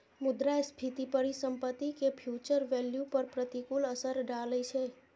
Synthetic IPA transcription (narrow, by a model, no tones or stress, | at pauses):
mʊd̪ɾajspʰit̪ipəɾisəmpət̪ːikepʰjut͡ʃəɾʋeljupəɾpɾət̪ikuləsəɾɖalət͡ʃʰe